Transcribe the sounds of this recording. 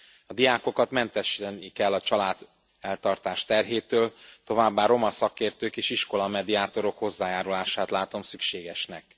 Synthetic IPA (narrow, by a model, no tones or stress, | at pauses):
ɒd̪ijaːko̞kɒt̪mɛnt̪ɛʃɛnikɛlːɒt͡ʃɒlaːd̪ | ɛlt̪ɒrt̪aːʃt̪ɛrɦeːt̪øːlt̪o̞vaːbːaːɾo̞mɒsɒkeːrt̪øːkeːʃiʃko̞lɒmɛd̪iaːt̪o̞ɾo̞kho̞zːaːjaːɾulaːʃaːt̪laːt̪o̞msykʃeːɡɛʃnɛk